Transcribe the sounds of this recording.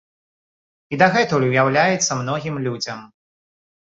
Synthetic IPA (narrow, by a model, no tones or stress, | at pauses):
id̪aɣɛt̪ulʲwjawlʲajɛt̪sːɐmnɔɣʲimlʲud͡zʲɐm